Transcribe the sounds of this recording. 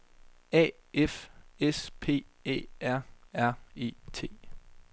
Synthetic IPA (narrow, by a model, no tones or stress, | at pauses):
ɛ̰ːefespʰe̝̰ːe̝̰ːæɐ̰æɐ̰e̝̰ːt͡sʰe̝̰ː